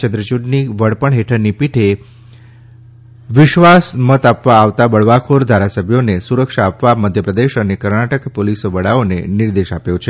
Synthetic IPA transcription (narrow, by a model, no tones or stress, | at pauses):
t͡ʃənd̪ɾət͡ʃuɖniʋəɽpəɳɦeʈʰəɾnipiʈʰe | ʋɪʃʋasmət̪apʋaːʋt̪abəɭʋakʰoɾd̪ʱaɾasəbʱjonesuɾəkʃaːpʋaməd̪ʱjəpɾəd̪eʃənekəɾnaʈəkpolisʋəɽaonḛniɾd̪eʃapjot͡ʃʰe